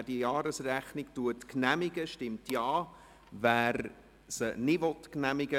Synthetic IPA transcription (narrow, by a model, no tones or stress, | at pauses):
d̥ijɑːɾəsræχnɪktuətknæmɪɡəʃtɪmtjɑː | væːɾ | sənɪvɔtknæmɪɡə